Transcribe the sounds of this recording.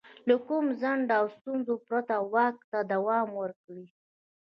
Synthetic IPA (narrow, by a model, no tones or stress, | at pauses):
ləkumzaɳɖawst̪unzopɾat̪awak̚t̪ad̪awɑmwəɾkɽi